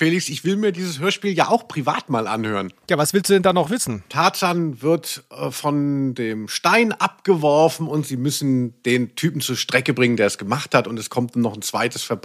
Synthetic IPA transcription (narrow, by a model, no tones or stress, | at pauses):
feːlɪksɪçv̥ɪlmiːɐdiːzəshøːɐʃpiːlja̰ːʔaʊxpʁ̥ivaːtmaːlʔa̰nhøːʁənjaːvasv̥ɪlsd̥uːdɛndanɔχv̥ɪsn̩tʰaːt͡sanvɪɐtɛfɔndeːmʃtaɪnʔap̚ɡ̥əvɔɐfn̩ʊntz̥iːmʏsn̩d̥eːntʰyːpm̩t͡suːɐʃtʁ̥ɛkəbʁɪŋəndeːɐɛsɡ̥əmaχthatʊntɛskʰɔmtːnɔχn̩t͡sv̥aɪtəsfɛɐb